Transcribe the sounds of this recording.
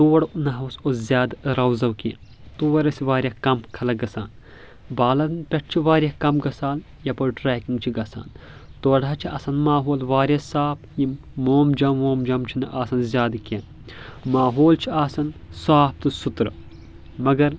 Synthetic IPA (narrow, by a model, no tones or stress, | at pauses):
t̪oːɽnɐɦɐwsoszʲjaːd̪ɾɐwzɐwkḭn | t̪oːɐɾɐsiʋaːɾʲjakɐmkʰɐlɐɡɐsaːn | baːlɐnpʲɐʈ̚ʰt͡ʃʰiʋaːɾjɐkɐmɡɐsaːl | jɐpoʈɾɛːkĩŋɡ̚t͡ʃʰiɡɐsa̰ːn | t̪oːɽat͡ʃʰiʔɐ̰sɐnmaːɦoːlʋaːɾʲɐsaːpʰjim | moːmd͡ʒɐmʋoːmd͡ʒɐmt͡ʃʰinɨʔaːsɐnzʲjaːd̪ken | maːɦoːlt͡ʃʰiaːsɐnsaːp̚t̪ɨsut̪ɾ | mɐɡɐɾ